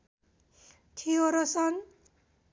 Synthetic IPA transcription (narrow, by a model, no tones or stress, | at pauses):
t̪ʰioɾʌsʌn